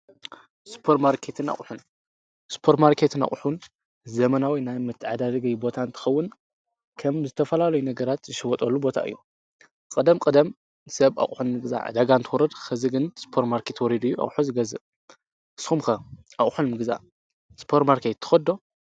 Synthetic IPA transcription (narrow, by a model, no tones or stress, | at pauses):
spʰoɾmaɾkʰet̪ʰɨna̰χʼħun | spʰoɾt̪maɾkʰet̪ʰɨna̰χʼħun | zɐmɐnawinajmɨt̪ʰːɨʕad̪ad̪ɐɡɐjbo̞t̪ʰant̪ʰɨ̥xɐwːʊn | kʰɐmzɨt̪ʰɐfɐlalɐjunɐɡɐɾat̪zɨʃɪwɔt̪ʼɐlːubo̞t̪ʰa̰ʔɨ̰jːu | kʼɨd̪ɐmkʼɨd̪ɐm | sɐβa̰χʼħunmɨɡɨza̰ʕa̰d̪aɡant̪ʰɨwɔɾɐd̪xɨzɨɡɨnspʰoɾmaɾkʰe̞t̪wɔɾid̪ɨjːuʔa̰χʼħuzɨɡɐzɨ | ʔɨsumxɐ | ʔaχʼħunmɨɡza̰ | spʰoɾmaɾkʰet̪ʰːɨ̥xɐd̪o̞